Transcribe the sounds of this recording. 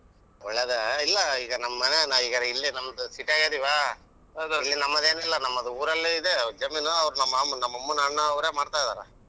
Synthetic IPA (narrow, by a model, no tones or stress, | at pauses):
ɔɭɐd̪ɐilːɐiːɡɐnɐmːɐnenaiːkɐɾeilːinɐmːɐd̪usiʈaːɡed̪iʋaː | ɐd̪ulːinɐmːɐðeːnilːɐnɐmːɐd̪uuːɾɐlːeiðed͡ʒɐminuɐʋɾunɐmːɐmɐnɐmːɐmːɐnaːnɐɐʋɾeːmaːɽt̪aːjd̪a̰ːɾḛ